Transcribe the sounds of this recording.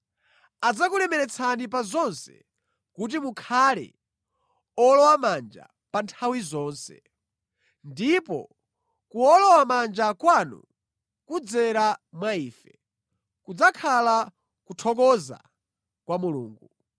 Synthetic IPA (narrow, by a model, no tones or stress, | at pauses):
ad͡zakulɛmɛɾɛt͡sʰanip̬azɔnsɛ̰ | kut̬imukʰalɛ̰ | ɔlɔwamand͡ʒa̰ | pantʰawizɔːnsɛ̰ | ndipɔ̰ | kuɔlɔwamand͡ʒakwanṵ | kud͡zɛɾamwaiːfɛ | kud͡zakʰala | kutʰɔk̬ɔza̰ | kwamulṵːŋɡu